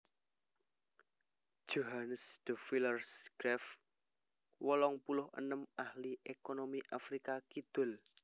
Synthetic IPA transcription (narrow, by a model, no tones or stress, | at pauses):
d̥ʒ̥oɦanəsd̪̥ɔ̤filərsɡ̥ɾɛf | wɔlɔŋpulʊhə̰nəmahliʔekonomiʔafɾikakid̪̥ʊ̤l